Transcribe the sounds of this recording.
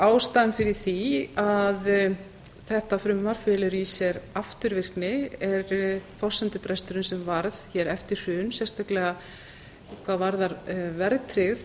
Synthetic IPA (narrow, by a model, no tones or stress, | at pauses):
aːwst̪anfɪɾɪ̥θiað | θɛht̪afɾʏmvaɾ̥fɪːlɪɾisjɛɾaft̪ʏɾvɪr̥knɪɛɾfɔsɛnt̪ʏpɾɛst̪ʏɾʏnsɛmvaɾðçɛɾɛft̪ɪɾ̥ʏːnsɛ̥st̪aklɛɣa | kʰvaːðvaɾðaɾvɛɾt̪ʰɾɪɣθ